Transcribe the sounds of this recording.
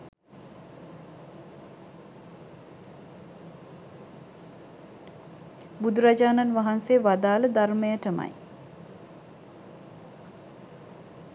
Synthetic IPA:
bud̪uɾad͡ʒaːnanʋaɦanseːʋad̪aːləd̪arməjəʈəma̰j

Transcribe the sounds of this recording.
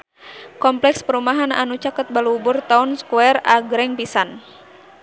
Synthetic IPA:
kɔmplɛkspəɾumaɦana̰nut͡ʃakət̪̚baluubʊrt̪aunskuɛraɡɾɛŋpisan

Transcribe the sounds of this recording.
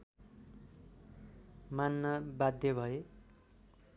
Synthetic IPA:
manːʌbad̪ʱjʌbʱʌe

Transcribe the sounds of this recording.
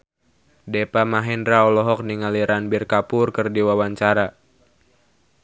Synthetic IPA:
depamaɦɛndɾaɔlɔɦɔk̚niŋaliɾanbirkapʊrkɨrdiwawaɲt͡ʃaɾa

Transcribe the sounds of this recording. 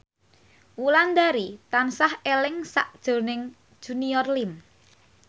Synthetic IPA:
wuland̪aɾit̪ansahelɪŋsa̰ʔd̥ʒ̥o̤nɪŋ̥ | ʒ̥uniɔrlim

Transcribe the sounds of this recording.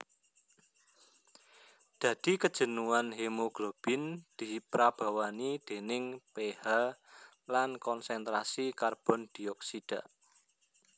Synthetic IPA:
d̪̥ä̤d̪̥i̤kəd̥ʒ̥ə̤nuanɦemoɡ̥lob̥ɪnd̪̥i̤pɾab̥a̤wanid̪̥e̤nɪŋpeha | lankɔnsɛnt̪ɾasikarb̥ɔ̤nd̪̥i̤ɔksid̥a̤

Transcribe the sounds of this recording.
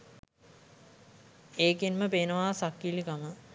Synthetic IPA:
eːkinməpeːnəʋaːsakːilikamə

